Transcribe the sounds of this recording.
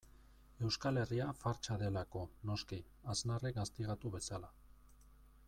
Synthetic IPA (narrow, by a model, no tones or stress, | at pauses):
e̞wskale̞riafaɾt͡ʃaðe̞lako̞no̞ski | aznarekɡast̪iɣ̞at̪uβe̞sala